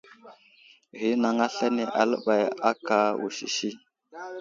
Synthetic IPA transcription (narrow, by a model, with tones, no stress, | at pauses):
ɣi˨˦na˨ŋa˦ɬa˦ni˨ʔa̰˨lə˦ɓa˨ja˦ka˨wṵ˨ʃḭ˨ʃi˦